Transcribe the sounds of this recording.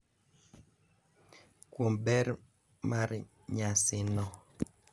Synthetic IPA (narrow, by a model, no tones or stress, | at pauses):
kwombɛɾ | maɾ | ɲasɪnɔ